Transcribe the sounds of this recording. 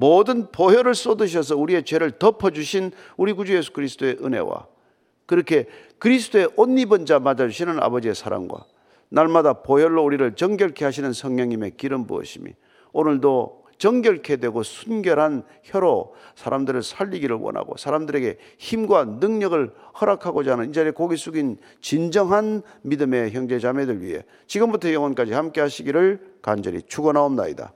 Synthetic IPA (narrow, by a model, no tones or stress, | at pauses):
modɯnpojʌɾɯɭs͈odɯɕ̬ʰʌs̬ʰʌuɾie̞t͡ɕwe̞ɾɯɭtʌpʰʌd͡ʑuɕʰin | uɾiɡud͡ʑuje̞sʰu̥kɯɾisʰt͈oe̞ʔɯne̞̰wa̰ | kɯɾʌkʰe̞ | kɯɾis̬ʰɯ̥t͈oe̞ʔonːibʌnd͡ʑamad͡ʑad͡ʑuɕʰinɯna̰bʌd͡ʑie̞sʰaɾa̰mɡwa̰ | naɭmadapojʌɭːouɾiɾɯɭt͡ɕʌŋɡjʌɭkʰeɦaɕ̬ʰinɯnsʰʌŋɲʌŋɲime̞kiɾɯmbṵʌ̰ɕʰimḭ | onɯɭdo | t͡ɕʌŋɡjʌɭkʰedwe̞ɡosʰunɡjʌɾɦan | çjʌɾosʰaɾamdɯɾɯɭsʰaʎːiɡiɾɯɭwʌ̰na̰ɡo̰sʰaɾamdɯɾe̞ɡe̞ | çimɡwanɯŋɲʌɡɯɭhʌɾakʰaɡod͡ʑanɯnid͡ʑaɾekoɡis͈ʰuɡin | t͡ɕind͡ʑʌŋɦan | midɯme̞çjʌŋd͡ʑe̞d͡ʑame̞dɯɭɥḭɦe̞̰ | t͡ɕiɡɯmbutʰʌjʌŋʌnk͈ad͡ʑihamk͈e̞ɦaɕʰiɡiɾɯɭkand͡ʑʌɾḭt͡ɕʰuɡʌnaomna̰ḭda̰